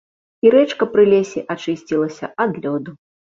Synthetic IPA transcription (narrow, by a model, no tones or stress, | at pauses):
iɾɛt͡ʂkɐpɾɨlʲesʲɛʔat͡ʂɨsʲt͡sʲilˠɐsʲɐʔad̪lʲɔd̪u